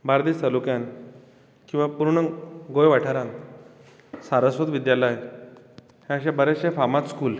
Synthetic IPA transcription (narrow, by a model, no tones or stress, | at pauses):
baɾd̪iːst̪alukjan | kĩw̃ʋapuɾɳəɡojʋaʈʰaɾãn | saɾəsʋət̪ʋid̪jaləj | hãəɕãbəɾaɕãfamat͡sskuːl